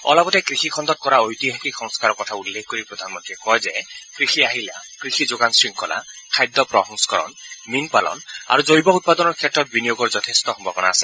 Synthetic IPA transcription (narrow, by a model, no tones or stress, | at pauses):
ɔ̰labɔt̪ekɾixʰikʰɔnd̪ɔt̪̚kɔɾaojt̪iɦakikhɔŋskaɾɔkɔt̪ʰaulːekʰɔkoɾipɾɔd̪ʱanɔmɔnt̪ɾikɔjzekɾixʰiaɦilakɾixʰid͡ʒoɡansɹiŋkɔla̰kʰajd̪ːɔpɾɔɦɔŋsɔ̥kɔɾɔ̰nminpalɔ̰na̰ɾud͡ʒojbɔut̪̚pad̪ɔnɔɾkʰetɾɔt̪̚binijoɡɔɾd͡ʒɔt̪ʰest̪ɔhɔmbʱɔbɔnaase